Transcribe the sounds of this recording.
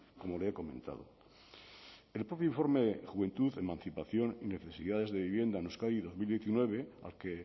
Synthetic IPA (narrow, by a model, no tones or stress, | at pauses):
ko̞moleeko̞mẽ̞nt̪a̰ðo̰ | elpɾo̞pjoiɱfo̞ɾmeðexuβe̞nt̪uðemãnθipaθjo̞nine̞θe̞siðaðe̞zðe̞βiβje̞nd̪anuskaiðo̞zmild̪jeθinwe̞β̞ea̰lke